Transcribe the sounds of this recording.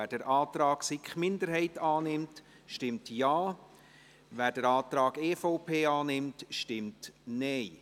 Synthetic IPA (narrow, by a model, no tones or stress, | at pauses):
æd̥əɾʔɑːt̪ɾɑːɡ̥sɪkχmɪnd̪əɾɦɛɪtɑːnɪmt | ʃtɪmtjaː | ʋæːɾdəɾɑːtɾɑːɡeːfoʊpʰeːɑːnɪmtʃtɪmtnɛɪ